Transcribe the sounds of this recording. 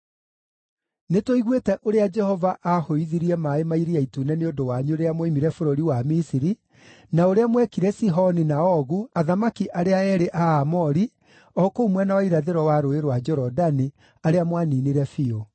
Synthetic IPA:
netwoiɣwetɛʔoɾead͡ʒɛhɔvaʔahoiðiɾiɛmaemaiɾiaitunɛneondowaɲuoɾeamoimiɾɛfoɾoɾiwamisiɾi | naoɾeamwɛkiɾɛsiɦɔninaɔɣuaðamakiʔaɾeaɛɾeʔaːmɔɾi | ɔkoumwɛnawaiɾaðeɾɔwaɾoeɾwad͡ʒɔɾɔdani | aɾeamwaniːniɾɛfio

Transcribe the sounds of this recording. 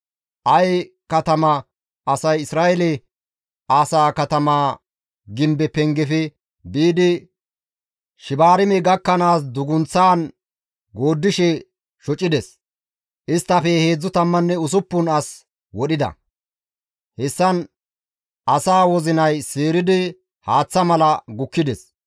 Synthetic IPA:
ʔɐj | kɐt̪ɐmɐ | ʔɐsɐjɪsɾaːʔɛlɛ | aːsaːkɐt̪ɐmaː | ɡɪmbɛpɛŋɡɛfɛ | biːd̪ɪ | ʃɪbaːɾɪmɛɡɐkːɐnaːs̬d̪ʊɡʊnt͡sːaːn | ɡo̞ːd̪ːɪʃɛ | ʃɔt͡ʃʼːɪd̪ɛs | ʔɪst̪ːɐfɛhe̞ːd͡zːʊt̪ɐmːɐnːɛʊsʊpːʊnɐs | wɔɗɪd̪ɐ̰ | hɛsːɐn | ɐsaːwɔzɪnɐjseːɾɪd̪ɪ | haːt͡sːɐmɐlɐɡʊkːɪd̪ɛs

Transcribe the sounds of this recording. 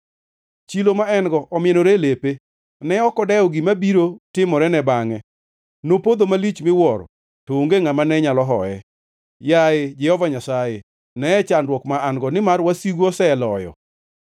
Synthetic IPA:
t͡ʃilomaɛnɡɔʔɔmɪenoɾelepe | nɛɔkɔdɛɔɡimabiɾotɪmɔɾɛnɛbaŋɛ | nopod̪omalit͡ʃmɪwɔr | tooŋɡeŋamanɛɲalɔɦɔ̰ɛ̰ | jaed͡ʒɛhɔvaɲasaje | nɛɛt͡ʃandwɔkmaaŋɡɔnɪmarwasiɡɔsɛlɔjɔ̰

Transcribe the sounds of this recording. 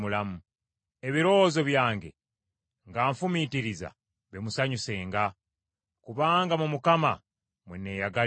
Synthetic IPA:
mulamu | eβiɾo̞zo̞βjaːŋɡe̞̰ | ŋɡaːɱfumitiɾiza̰ | βemusaɲuse̞ːŋɡa | kuβaːŋɡamumukama̰ | mwenːe̞ːjaɡa

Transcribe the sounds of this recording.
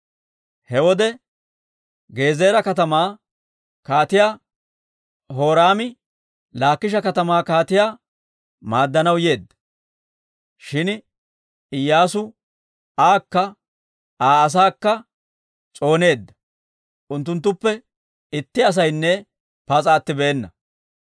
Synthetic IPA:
hɛwɔd̪ɛ | ɡe̞ːzeːɾɐkɐt̪ɐmaː | kaːt̪ɪjaː | ɦo̞ːɾaːmɪ | laːkːɪʃ̬ɐkɐt̪ɐmaːkaːt̪ɪjaː | maːd̪ːɐnɐwje̞ːd̪ːɐ̥ | ʃɪn | ɪjːaːsʊ | aːkːɐ | aːs̬aːkːɐ | t͡sʼo̞ːne̞ːd̪ːɐ̥ | ʊnt̪ːʊnt̪̬ːʊpːɛ | ɪt̪ːɪɐs̬ɐjnːɛ | pɐt͡sʼaːt̪ːɪbeːnːɐ

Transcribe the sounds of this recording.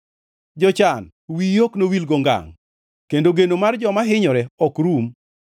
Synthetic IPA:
d͡ʒɔt͡ʃan | wijoknowilɡɔŋɡa̰ŋ | kendoɡenomard͡ʒɔmaɦɪɲɔɾɛɔkɾum

